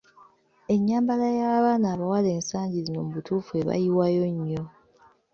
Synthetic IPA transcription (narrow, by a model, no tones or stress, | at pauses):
e̞ɲːaːmbalajaβaːnaːβawale̞ːnsaːɲɟizino̞muβutuːfue̞βa̰jiwajo̞ɲːo̞